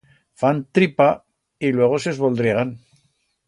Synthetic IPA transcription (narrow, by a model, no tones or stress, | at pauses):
fant̪ɾipa | ilwe̞ɣ̞osezβold̪ɾeɣan